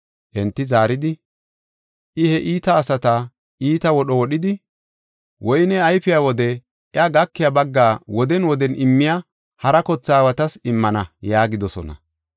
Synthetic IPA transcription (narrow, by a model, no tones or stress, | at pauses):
ʔɛnt̪ːɪzaːɾɪd̪ɪ | ʔɪhɛʔiːt̪ɐːsɐt̪ɐ | ʔiːt̪ɐwɔɗɔwɔɗɪd̪ɪ | wʔɔjɪnɛɐjfɪjawɔd̪ɛ | ʔɪɐɡɐkːɪjabɐɡːaːwɔd̪ɛnwɔd̪ɛnʔɪmːɪja | hɐɾɐkɔt͡sːaːwɐt̪ɐsɪmːɐnɐjaːɡɪd̪ɔsɔ̰nɐ̰